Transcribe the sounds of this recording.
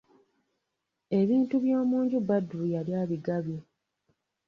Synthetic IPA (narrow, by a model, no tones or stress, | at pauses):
e̞βiːntuβjo̞ːmuːɲɟubaduɾujaljaːβiɡaβji